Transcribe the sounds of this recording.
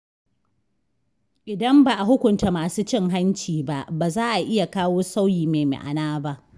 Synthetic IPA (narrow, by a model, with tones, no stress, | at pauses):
ʔɪ˨dɐ˦mba˨ʔa˨ɦʊ˦kʷʊ˨nta˨maː˨suː˦t͡ʃɪ˦ŋɦa˦nt͡ʃiː˨ba˦ʔbaː˨zaː˦ʔa˨ʔɪ˦ja˨kaː˦woː˦sa˦wjiː˨meː˨mḛ˨ʔa̰˨naː˦ba˦ʔ